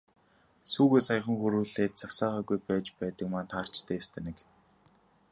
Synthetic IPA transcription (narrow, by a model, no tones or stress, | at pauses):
suːɣeːsaj̆χə̆ŋxuɾuːɮeːt̪̚t͡saksaːʁaːɣujpæːt͡ɕpæːt̪ə̆kmaːnt̪ʰaːr̥t͡ɕt̪ʰeːjast̪ʰănĕk